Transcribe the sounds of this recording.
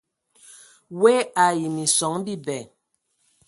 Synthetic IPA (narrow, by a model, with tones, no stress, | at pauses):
we˦a˨ji˨mi˨sɔ˨˦ŋbi˦bɛ˨